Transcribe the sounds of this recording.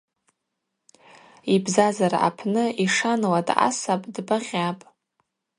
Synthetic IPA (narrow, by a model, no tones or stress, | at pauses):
ibzazaɾa̰ʔapʰnɨiʂanlada̰sapʼdbaʁʲapʼ